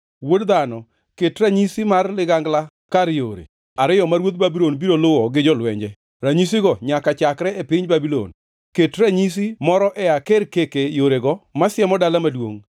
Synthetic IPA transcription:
wodd̪anɔ | ketɾaɲisimarlɪɡaŋɡla | kaɾjoɾḛ | aɾɪjɔmaɾwot̪̚babilonbiɾolʊwɔɡɪd͡ʒɔlwɛɲd͡ʒɛ | ɾaɲis̬ɪɡɔɲakat͡ʃakɾɛepɪɲbabilo̰n | ketɾaɲis̬imɔɾɔʔɛakeɾkekejoɾeɡɔmasjɛmɔdalamadwo̰ŋ

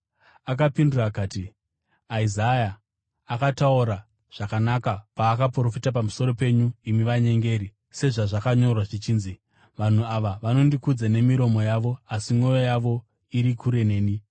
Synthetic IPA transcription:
ak̬apinduraːkaːti | aizajaː | katauɾa | ʐ̥akanakapaːkapro̞fitap̬amuso̞ɾo̞pe̞ɲuimiʋaɲe̞ŋɡe̞ːɾi | se̞ʐaʐakaɲo̞rwaʐit͡ʃiːnzi | ʋan̤uaʋaʋano̞ndikud͡zane̞miɾo̞mojaʋo̞asimwo̞jojaʋo̞ | iɾikuɾe̞ne̞ːni

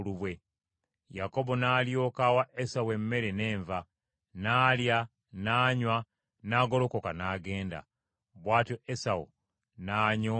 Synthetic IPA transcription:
luβwe̞ | jako̞bo̞naːljo̞ːkawaʔesawe̞mːe̞ɾe̞ne̞ːɱva | naːlja | naːɲwa | naːɡo̞lo̞kokanaːɡe̞ːnda̰ | βwaːtoesao̰ | naːɲo

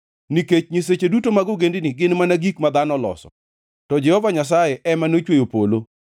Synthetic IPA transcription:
niket͡ʃɲis̬et͡ʃedutomaɡoɡendɪniɡɪnmanaɡikmad̪anɔlɔ̰sɔ̰ | tɔd͡ʒɛhɔvaɲas̬ajeʔɛmanot͡ʃwejopolo

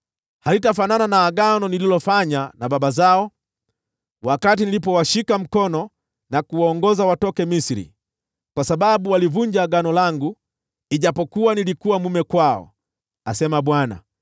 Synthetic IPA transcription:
halitafanananaːɡanɔnililɔfaɲanabaɓazaɔ | wakat̬inilipɔwaʃikam̩kɔnɔ | nakuwaɔŋɡɔzawatɔkɛmisiɾḭ | kwasaɓaɓuwalivuɲd͡ʒaːɡanɔlaŋɡu | iʄapɔkuwanilikuwamumɛkwaɔ̰ | asɛmaɓwana̰

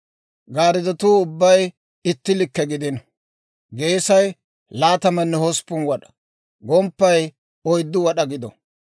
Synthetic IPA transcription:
ɡaːɾɪd̪ɔt̪uːʊbːɐj | ɪt̪ːɪlɪkːɛɡɪd̪ɪn | ɡe̞ːsɐj | laːt̪ɐmɐnːɛhɔspːʊnwɐɗɐ̥ | ɡɔmpːɐj | ɔjd̪ːɪwɐɗɐɡɪd̪ɔ̰

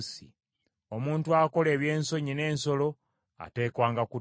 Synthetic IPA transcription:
sḭ | omuːntuako̞leːβje̞ːnso̞ɲine̞ːnso̞lo̞ | a̰te̞ːkwaːŋɡaku

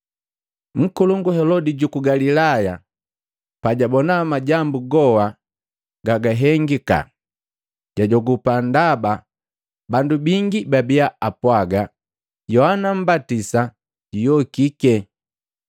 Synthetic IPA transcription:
ŋ̩kuluŋɡuhɛlɔdiɟukuɡalilaja | paɟabɔnamaɟambuɡɔwa | ɡaɡaɦɛŋɡika̰ | ɟ̥aɟɔɡupandaba | bandubiŋɡibabiaapwaɡa | jɔhanam̩batisa | ɟujɔkikɛ

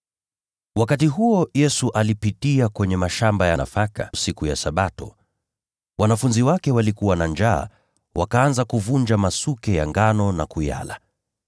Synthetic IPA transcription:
wakatiɦuɔjɛsuʔalipitiakwɛɲɛmaʃambajana̰fakasikujasaɓatɔ̰ | wanafunziwakɛwalikuwanand͡ʒa̰ː | wʔakaːnzakuvund͡ʒamasukɛja̰ŋɡanɔnakuja̰la̰

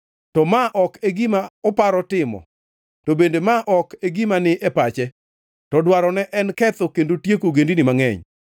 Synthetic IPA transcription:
tɔmaʔɔkeɡimaɔpaɾɔtɪmɔ̰ | tobendemaʔɔkeɡimanɪʔɛpat͡ʃɛ | tɔdwaɾɔnɛʔɛnkɛt̪ɔkendotjekoɡendinɪmaŋɛ̰ɲ

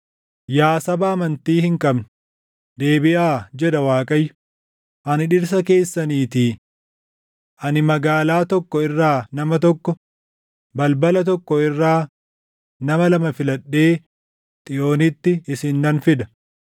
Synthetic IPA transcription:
jaːsɐbɐːmɐnt̪iːhɪŋkʼɐbnʊ̥ | d̪e̞ːbɪʔaːd͡ʒɛd̪ɐwaːkʼɐjːʊ | ʔɐnɪᶑɪɾs̬ɐke̞ːsːɐniːt̪iː | ʔɐnɪmɐɡaːlaːt̪ɔkːɔɪrːaːnɐmɐt̪̬ɔkːɔ | bɐlbɐlɐt̪ɔkːɔɪrːaː | nɐmɐlɐmɐfɪlɐɗːe̞ː | t̪ʼɪjo̞ːnɪt̪ːɪɪsɪnːɐnfɪd̪ɐ

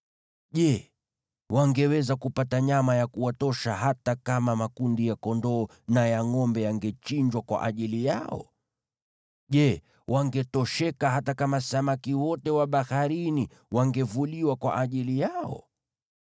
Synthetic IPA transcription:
ʄɛ | waŋɡɛwɛzakupataɲamajakuwatɔʃahatakamamakundijakɔndɔː | najaŋɔmbɛjaŋɡɛt͡ʃiɲd͡ʒwakwa̰ʔaʄilijaɔ̰ | ʄɛ | wʔaŋɡɛtɔʃɛkahatakamasamakiwɔtɛwaɓahaɾini | waŋɡɛvuliwakwa̰ʔaʄilijaɔ̰

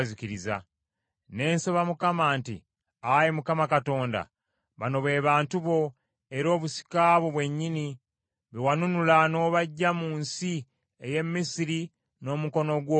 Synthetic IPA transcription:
ziciɾiza̰ | ne̞ːnsoβamukamaːntḭ | ajemukamakato̞ːnda̰ | βano̞βe̞ːβaːntuβo̞ | e̞ɾo̞ːβusi̥kaːβoβwe̞ɲːini | βewanunulano̞ːβaɟːamuːnsi | eje̞mːisiɾi | no̞ːmuko̞no̞ɡwo

